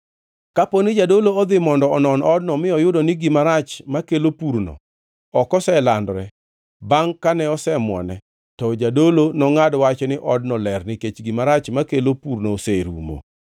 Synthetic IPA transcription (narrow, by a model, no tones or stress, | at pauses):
kaponɪd͡ʒadoloɔd̪ɪmɔndɔɔnɔnɔd̚nɔmɪɔjʊdɔnɪɡɪmaɾat͡ʃmakelopuɾno̰ | ɔkɔsɛlandɾɛ | baŋkanɛɔsɛmwɔ̰nɛ | tɔd͡ʒadolonɔŋadwat͡ʃnɪʔɔdnɔlɛrnɪket͡ʃɡimaɾat͡ʃmakelopuɾnoseɾṵmo̰